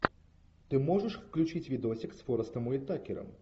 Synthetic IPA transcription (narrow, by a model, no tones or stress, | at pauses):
t̪ɨmɔʐɐʂfklʲut͡ʃit͡sʲvʲid̪ɔsʲiksfɔɾɐst̪ɐmuit̪akʲɛɾɐ̰m